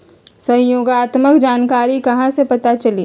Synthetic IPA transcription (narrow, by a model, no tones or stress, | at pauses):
sɐɦjoːɡaːt̪məkd͡ʒaːnkaːɾikɐɦãsepɐt̪at͡ʃɐliː